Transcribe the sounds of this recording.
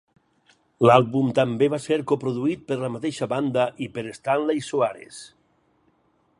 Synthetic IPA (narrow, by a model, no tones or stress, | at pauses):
lalˠβumt̪ambeβaseɾkopɾoðuit̪̚pəɾlamat̪eʃaβand̪aʔipeɾest̪anlajsoaɾḛs